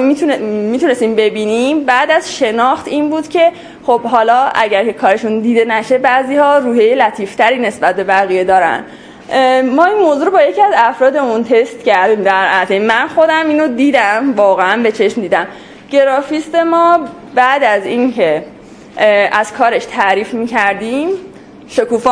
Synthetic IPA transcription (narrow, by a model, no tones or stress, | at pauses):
iumiːt̪une̞st̪iːmbe̞biːnimbæʔd̪æzʃe̞nɒːxt̪iːnbuːd̪̥cʰe̞ | χo̞bɦɒːlɒːæɟæɾcʰe̞kʰɒːɾe̞ʃund̪iːd̪e̞næʃe̞bæziːhɒːɾuːhe̞jelæt̪ʰiːft̪ʰæɾiːne̞sbæt̪̚be̞bæɣije̞d̪ɒːɾæ̰nd̪ | mɒːinmoːzuːɾobɒːje̞cʰiæzæfɾɒːd̪e̞munt̪ʰe̞st̪cæɾd̪iːmd̪æɾæt̪ʰemːænxo̞d̪æmiːnod̪iːd̪æmvɒːɣeænbe̞t͡ʃʰe̞ʃmd̪iːd̪æm | ɟ̥e̞ɾɒːfist̪e̞mɒː | bæʔd̪æziːncʰe̞ | æz̥kʰɒːɾe̞ʃt̪ʰæɾiːfmiːcʰæɾd̪im | ʃokuːf